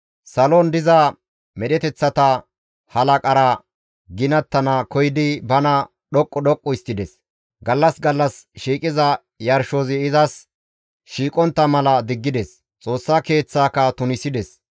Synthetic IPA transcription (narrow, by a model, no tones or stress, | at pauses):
sɐlond̪ɪzɐ | mɛɗɛt̪ɛt͡sːɐt̪ɐ | hɐlɐkʼɐɾɐ | ɡɪnɐt̪ːɐnɐkɔjɪd̪ɪbɐnɐ | ɗɔkʼːɔɗɔkʼːɔɪst̪ːɪd̪ɛs | ɡɐlːɐsɡɐlːɐsʃiːkʼɪzɐ | jɐɾʃoːzɪɪzɐs | ʃiːkʼɔnt̪ːɐmɐlɐd̪ɪɡːɪd̪ɛs | t͡sʼo̞ːsːake̞ːt͡sːaːkɐt̪ʊnɪsɪd̪ɛs